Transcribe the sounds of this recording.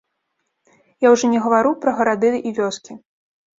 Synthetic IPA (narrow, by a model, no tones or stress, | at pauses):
jawʐɔnʲɛɣɐvaɾupɾɐɣɐɾad̪ɨd̪ɨʔivʲɔskʲi